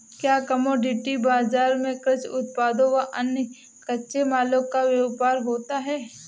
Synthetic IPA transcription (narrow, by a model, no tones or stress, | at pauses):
kjaːkɐmoɖɪʈibaːzaːɾmẽkɾət͡ʃʊt̪̚paːd̪õkaʔɐnə | kɐːʃemaːlokːaʋjeʋpaːɾɦoːt̪aɦɛː